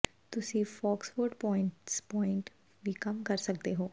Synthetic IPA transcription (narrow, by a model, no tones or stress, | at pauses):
t̪ʊsĩːfɔːksʋoːɾɖpɔːɪ̃ɳʈspɔːɪ̃ɳʈ | ʋiːkəmkəɾsəkd̪eɦoː